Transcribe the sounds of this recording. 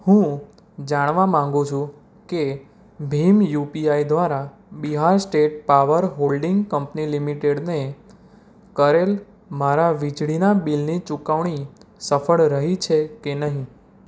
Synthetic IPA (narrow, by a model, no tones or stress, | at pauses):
hũ | d͡ʒaɽ̃ʋamãŋɡũt͡ʃʰũ | ke | bʱimjupiaid̪ʋaɾa | biɦaɾsʈeʈ̚paʋəɾɦolɖiŋɡkəmpnilimiʈeɽne | kəɾel | maɾaʋid͡ʒɭinabilnit͡ʃukaʋɳ̃isəfəɭɾəɦit͡ʃʰekenəɦĩ